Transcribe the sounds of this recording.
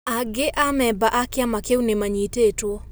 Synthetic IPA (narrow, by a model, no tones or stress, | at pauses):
aɡɪʔamɛbaʔakɪamakewnemaɲitetwo